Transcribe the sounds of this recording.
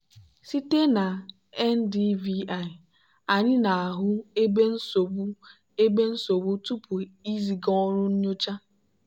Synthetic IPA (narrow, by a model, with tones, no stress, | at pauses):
si˦te˦na˨ | ɛ˦n˦di˦vi˦a˦˨ɪ˨ | a˨ɲɪ˦na˨a˨ɦʊ˦e˦be˦n̩˦so˨bu˦ | e˦be˦n̩˦so˨bʊ˦tu˦pu˨i˦zi˨ɡɔ˦ɾʊ˦n̩˦ɲo˦t͡ʃa˦